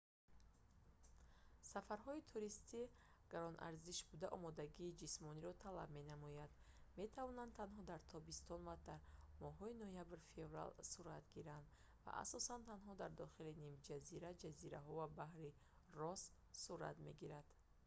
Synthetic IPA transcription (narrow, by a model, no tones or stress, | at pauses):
safaɾɦɔit̪ʰuɾist̪i | ɡ̥aɾɔnʔa̰ɾziʃbud̪aʔɔmɔd̪aɡiːd͡ʒismɔniɾɔt̪ʰala̰b̚me̞namɔjand̪ | me̞t̪ʰavɔnand̪t̪ʰanɦɔd̪aɾt̪ʰɔbist̪ɔnvad̪̥aɾmɔɦɔinɔjabɾfe̞vɾa̰lsuɾat̪ɡiɾand̪ | va̰ʔa̰sɔsant̪ʰanɦɔd̪aɾd̪ɔχilinimd͡ʒaziɾad͡ʒaziɾaɦɔvabahɾi | rɔsː | uɾa̰t̪me̞ɡiɾad̪̥